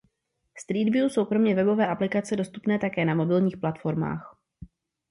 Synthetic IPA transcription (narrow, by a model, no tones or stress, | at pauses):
st̪ɾiːdvjuːso̞wkɾo̞mɲɛvɛbo̞vɛːʔaplɪkat͡sɛdo̞st̪upnɛːt̪akɛːnamo̞bɪlɲiːxplat̪fo̞ɾma̰ːx